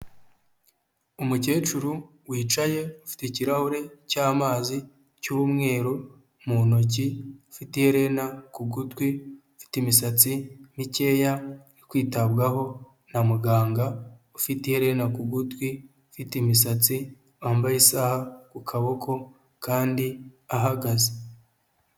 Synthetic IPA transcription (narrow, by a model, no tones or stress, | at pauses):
umuce̞ːt͡ʃuɾu | wiːt͡ʃaje̞ufi̥teciɾahuɾe̞caːmaːzi | cuumŋe̞ːɾo | munoc̬iufitiheɾe̞nakuɡutwiufi̥timisat͡simice̞ːjanikwiːtaβɡaho̞ | namuɡaːŋɡaufitiheɾe̞nakuɡutwi | ufitimisat͡si | waːmbajisahakukʰaβo̞kʰo̞ | kaːndiaɦaɡaze